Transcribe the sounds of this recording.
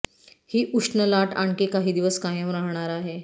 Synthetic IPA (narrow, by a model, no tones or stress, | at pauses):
hiːʔuʂnəlaʈaɳkekaɦiːd̪iʋəskajəmɾaɦɳ̃aɾaɦe